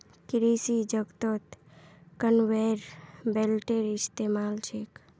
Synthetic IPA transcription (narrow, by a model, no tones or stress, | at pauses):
kɪɾisid͡ʒəɡt̪ot̪kənʋeɾbelʈeɾɪst̪emaːlt͡ʃʰek